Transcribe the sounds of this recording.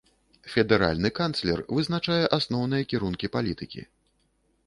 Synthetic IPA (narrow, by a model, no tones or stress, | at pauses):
fʲɛd̪ɛɾa̰lʲnɨkant̪slʲɛ̰rvɨznat͡ʂajɛʔasnɔwnɨjɐkʲiɾunkʲipalʲit̪ɨkʲḭ